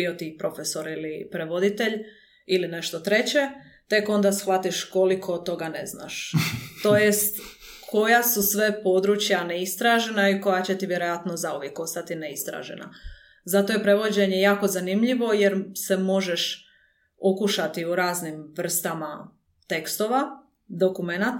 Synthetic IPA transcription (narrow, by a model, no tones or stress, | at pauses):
io̞t̪ipɾo̞fesoɾilipɾe̞ʋo̞d̪it̪e̞ʎ | iline̞ʃt̪ot̪ɾe̞t͡ɕe̞ | t̪e̞ko̞nd̪asxʋat̪iʃko̞likʰo̞t̪o̞ɡane̞zna̰ʃt̪o̞jest̪ | kʰo̞jasusʋe̞po̞d̪ɾut͡ɕjaneist̪ɾaʒe̞naiko̞jat͡ɕe̞t̪iʋje̞ɾo̞jat̪nozaoʋjeko̞st̪at̪ineist̪ɾa̰ːʒe̞̰na̰ | zat̪o̞je̞pɾe̞ʋo̞d͡ʑe̞ɲe̞jaːko̞zanimʎiʋo̞jeɾse̞mo̞ʒeʃ | okuʃat̪iuɾaːznimʋr̩st̪ama | t̪e̞kst̪oʋa | d̪o̞kume̞nat̪